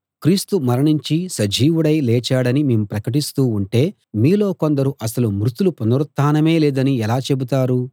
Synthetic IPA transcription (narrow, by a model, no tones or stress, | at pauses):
kɾiːst̪umɐɾɐɳiɲt͡ʃisɐd͡ʒʱiːʋuɽɐjlɛːt͡ʃaːɽɐnimeːmupɾɐkɐʈ̬ist̪uːuɳʈe̞ː | miːlo̞ːko̞nd̪ɐɾuʔɐsɐlumɾut̪ulupunɐɾɐt̪ːaːnɐme̞ːleːd̪ɐniɛlaːt͡ʃe̞but̪aːɾu